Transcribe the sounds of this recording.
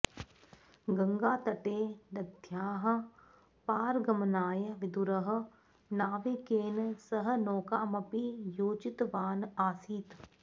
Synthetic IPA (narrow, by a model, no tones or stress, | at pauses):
ɡɐŋɡaːt̪ɐʈeːnɐd̪ʱjaːɦɐ̆ | paːɾɡɐmnaːjɐʋɪd̪uɾɐɦɐ̆ | naːʋekeːnsɐɦə̆noːkaːmɐpijoːd͡ʒɪt̪ʋaːnaːsiːt̪